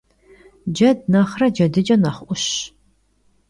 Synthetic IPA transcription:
d͡ʒɐdnɐχrɐd͡ʒɐdɨd͡ʒɐnɐχʷʔʷʊɕ

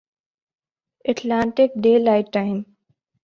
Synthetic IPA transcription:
əʈlãːɳʈɪkɖeːlaːɪʈːaɪm

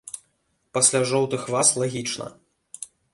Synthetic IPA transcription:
pasʲlʲaʐɔwt̪ɨxvaslˠaɣʲit͡ʂnɐ̰

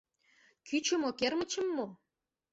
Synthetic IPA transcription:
kʰyt͡ɕə̆mokermə̆t͡ɕə̆mːo

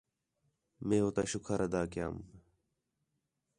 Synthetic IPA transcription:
mẽːɦoːt̪aːʃʊkʰaɾəd̪aːkja̰ːm

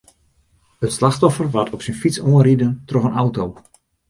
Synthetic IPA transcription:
ətslaxtɔfərʋatʰɔpsinfitt͡soənridəntrɔxənawtow

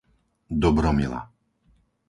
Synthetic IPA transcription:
d̪ɔbɾɔmila̰

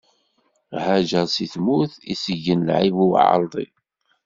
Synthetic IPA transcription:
hæʒəsiθmuθḭsəʝːənlʕivuw̰ʕɑ̰ɾˤd̪ˤḭ

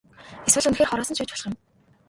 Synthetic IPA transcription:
eswɘ̆ɮunxeːrχɔɾɔːsɞ̆nʃuːt͡ɕpɔɮ̥χɪ̆m

